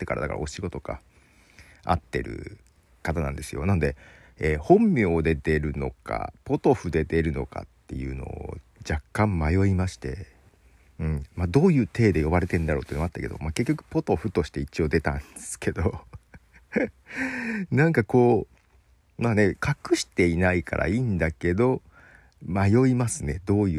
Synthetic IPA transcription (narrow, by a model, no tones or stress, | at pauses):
t̪ːe̞kaɾa̰d̪akaɾa̰o̞ɕiɡo̞t̪o̞ka̰ | a̰t̪ːe̞̰ɾɯ̟̰ | kat̪anã̰nd̪e̞sɨjo̞̰nano̞d̪e̞ | eːhõ̞mːʲjo̞ːd̪e̞d̪e̞ɾɯ̟no̞̰ka̰po̞t̪o̞ɸɯ̟d̪e̞d̪e̞ɾɯ̟no̞̰ka̰t̪ːe̞̰jɯ̟̰ːno̞̰ | d͡ʑakːãmmajo̞imaɕi̥t̪e̞̰ | ɯ̟̃ɴmad̪o̞ːjɯ̟ːt̪e̞ːd̪e̞jo̞baɾe̞t̪e̞ɯ̃nd̪aɾo̞t̪oiːnat̪ːake̞d̪o̞̰maːke̞kʲːokɯ̟̥po̞t̪o̞ɸɯ̟t̪o̞ɕi̥t̪e̞it͡ɕio̞ːd̪e̞t̪ã̰nd̪esɨ̥kʰe̞d̪o̞ | nãŋkako̞ː | maːne̞kʰakɯ̟ɕi̥t̪e̞inaika̰ɾʔa̰iːnd̪ake̞d̪o̞ | majo̞imasɨne̞d̪o̞ːjɯ